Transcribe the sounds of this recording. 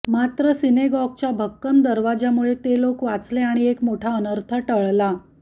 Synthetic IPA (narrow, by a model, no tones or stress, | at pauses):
mat̪ɾəsineɡɔɡ̚t͡ɕjabʱəkːəmd̪əɾʋad͡ʑjamuɭet̪elokʋat͡sleaɽ̃iekmoʈʰaənəɾt̪ʰəʈəɭla